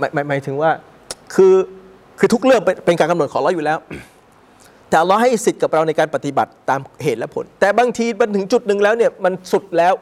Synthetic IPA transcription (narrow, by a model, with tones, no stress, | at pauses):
ma˨˩jma˨˩˦jmaː˩˦jt̪ʰɯ˩˦ŋwaː˥˩ | kʰɯː˧ | kʰɯː˧t̪ʰu˦˥k̚ɾɯ˥˩əŋ˧pe˧nkaː˧nka˧mn˨˩t̚kʰɔː˩˦lɔ˦˥juː˨˩lɛː˦˥w | t̪ɛː˨˩ʔwlːɔː˦˥ɦa˥˩jsi˨˩t̪̚ka˨˩p̚ɾa˧wna˧jkaː˧npa˨˧˩t̪i˨˩ba˨˩t̪ːaː˧mheː˨˩t̪̚lɛ˦˥pʰo̰˨˩˦nt̪ɛː˨˩baː˧ŋt̪ʰiː˧ba˧nt̪ʰɯ˩˦ŋt͡ɕu˨˩t̪̚nɯ˨˩ŋlɛː˦˥wni˥˩ɐma˧nsu˨˩t̪̚lɛː˦˥w